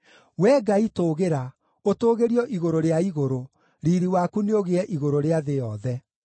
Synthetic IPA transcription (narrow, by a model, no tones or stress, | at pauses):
wɛːɡaitoɣeɾa | otoːɣeɾiɔʔiɣoɾoɾeaiɣoɾo | ɾiːɾiwakuneoɣeɛʔiɣoɾoɾeaðejɔðɛ